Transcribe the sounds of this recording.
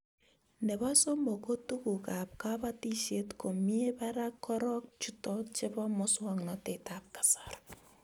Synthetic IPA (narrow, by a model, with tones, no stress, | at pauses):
ndɛ˨βa˦so˦mɔ˨ko˦tu˦ku˨ka˨p̚ka˦ba˦ti˦ʃe˦tko˨mi˦e˦ba˦ɾa˦kːɔ˦ɾɔ˦k̚t͡ʃu˦tɔ˦t͡ʃe˦bɔ˦mʊ˦swa˦ŋnɔ˨te˨ta˨p̚kḁ˨sḁr